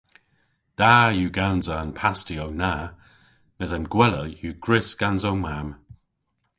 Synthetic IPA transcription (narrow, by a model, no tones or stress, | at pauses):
d̥aːjuːɡanzəːnpʰastiowna | nəzanɡwɛləjuːɡ̥ɹɪsɡ̥anzowmam